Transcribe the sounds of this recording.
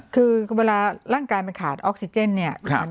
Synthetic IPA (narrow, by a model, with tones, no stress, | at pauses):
kʰɯː˧weː˧laː˧ɾaː˥˩ŋkaː˧jma˧nkʰaː˨˩t̪̚ʔɔː˦˥k̚si˧t͡ɕe˥˩˨nːi˥˩ɐkʰa˧˩